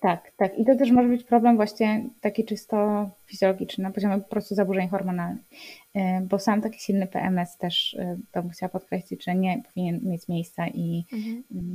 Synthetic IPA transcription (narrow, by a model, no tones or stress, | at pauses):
t̪akt̪akit̪ɔt̪ɛʂmɔʐɛbɘt͡ɕpɾɔblɛmvwaɕɲɛt̪akʲit͡ʂɘst̪ɔfʲizʲjɔlɔɡʲit͡ʂnɘnapɔʑɔmʲɛpɔ̥pɾɔst̪uzabuʐɛɲxɔɾmɔnalnɘ̰x | bɔsamt̪akʲi̥ɕilnɘpɛ̰ʔɛmɛst̪ɛʂt̪ɔmuxt͡ɕawapɔt̪̚kɾɛɕlʲid͡ʑʐɛɲɛpɔvʲiɲɛnmʲjet͡ɕmʲejst̪saʔi